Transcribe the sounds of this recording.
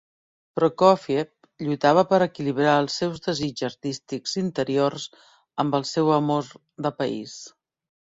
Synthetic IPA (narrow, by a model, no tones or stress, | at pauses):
pɾɔkɔfiep̚ | ʎujt̪aβ̞əpəɾəkiliβɾaəlˠsːɛwzðəzid͡ʒəɾt̪ist̪ikzint̪əɾiorz | əmbəlˠsɛwəmoɾ | d̪əpəḭs